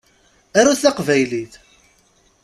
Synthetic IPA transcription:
æɾuθæqvæjliθ

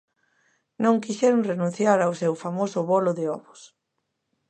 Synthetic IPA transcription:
nõŋkiʃɛɾʊŋrenũn̟θjaɾawsewfamosʊβolʊðɪɔβʊs

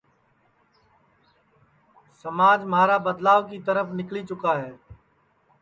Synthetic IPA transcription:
səmaːd͡ʒmaːɾaːbəd̪laːʋkit̪əɾəfʰnɪkliːt͡ʃʊkaːɦɛː

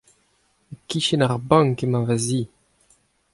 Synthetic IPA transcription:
ekːiʃenaʁbãŋkemãvazi

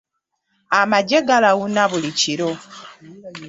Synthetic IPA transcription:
amaɟeɡalaɣunaβuliciɾo̞

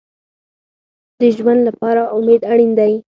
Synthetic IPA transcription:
d̪əʒwand̪lapɑɾaʊmed̪aɽind̪aj

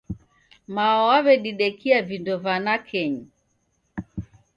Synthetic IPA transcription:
maɔwaβɛɗiɗɛkiavindɔvanakʰɛɲi

